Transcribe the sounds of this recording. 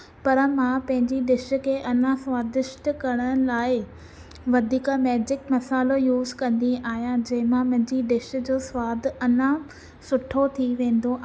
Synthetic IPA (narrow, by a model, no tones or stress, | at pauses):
pɐɾmãpɐ̃ɦɪ̃ɲd͡ʑiɗɪʃ̆kʰeːʔɐnãsʋaːd̪ɪʃʈkɐɽ̃əɽ̃laːɪ | ʋɐd̪ʱiːkamɛːd͡ʑɪkmɐsaːlojuːzkɐ̃nd̪iaːɦijãd͡ʑɐɦɪ̃mãmɐ̃ɦɪ̃ɲd͡ʑiɖɪʃ̆d͡ʑoːsʋaːd̪ɐnã | sʊʈʰot̪ʰiʋẽːn̆d̪oʔaː